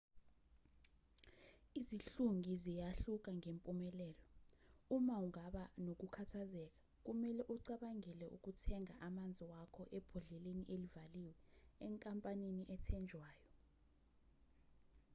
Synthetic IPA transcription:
iziɬuŋʱizijaɬuk̬ʼaŋempʼumɛlɛːlɔumauŋaɓanok̬ukʰatʰazɛk̬ḁ | k̬umɛlɛʔuǀaɓaŋɛlɛʔṵk̬ʼutʰɛŋaʔamand͡zʱiwakʰɔʔɛb̥ʱɔɮɛleniʔelivaliːwɛːŋkʼampʼaneniʔɛtʰɛnd͡ʒʱwaːjɔ

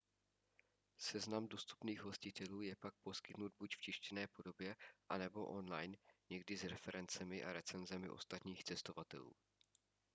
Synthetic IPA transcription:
sɛznamdo̞st̪u̥pniːɣɦo̞scɪt̪ɛluːjɛpak̚po̞skɪt̪nud̪̚bucft͡ʃɪʃcɛnɛːpo̞do̞bjɛʔanɛbo̞ʔo̞nlajnɲɛɡdɪzɾɛfɛɾɛnt͡sɛmɪʔa̰ɾɛt͡sɛnzɛmɪ̰ʔo̞̰st̪at̪ɲiːxt͡sɛst̪ovat̪ɛ̰lṵː

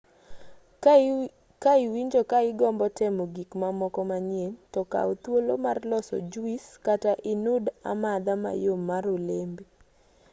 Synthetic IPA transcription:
kaɪwiɲd͡ʒokaɪɡɔmbɔtɛmoɡikmamɔkɔmaɲjentɔka̰ot̪wolomarlɔsɔ̰d͡ʒuiskataʔɪnuda̰mad̪ama̰jomːaɾolembi

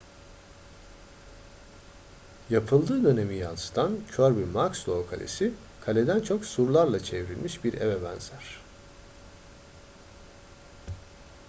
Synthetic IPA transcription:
japʰɯlˠd̪ɯːd̪ø̞ne̞mijansɯ̥d̪ʰancʰøɾbimakslˠokʰalʲḛsi | kʰalʲed̪ænt͡ʃʰo̞ksuɾlˠaɾlˠat͡ʃʰevɾilʲmiʃbiɾḛvebænzæɾ̥

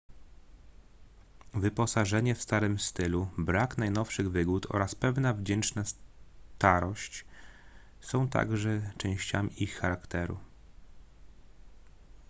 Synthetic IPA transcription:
vɘpɔsaʐɛɲɛfst̪aɾɘmst̪ɘlubɾakn̪ajnɔfʂɘɣvɘɡut̪ʰɔ̰ɾaspɛvnavd͡ʑɛnt͡ʂnast̪aɾɔɕt͡ɕ | sɔ̃w̃t̪a̰ɡʐɛt͡ʂɛ̃w̃ɕt͡ɕa̰mʲiʔixːaɾakt̪ɛɾṵ

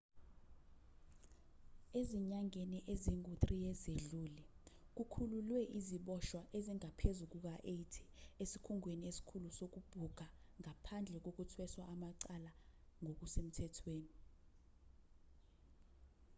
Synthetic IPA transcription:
eziɲaŋeniʔeziŋutʼrijɛzeɮuːlɛ | k̬ukʰululwɛʔiziɓɔʃwaʔeziŋapʰezuk̬uk̬aʔetʰi̥esikʰuŋweniesi̥kʰulusok̬ub̥ʱuɡ̥ʱaŋapʰand͡ɮʱɛk̬ok̬utʰwɛswaʔːmaǀalaŋok̬usem̩tʰɛtʰweːni

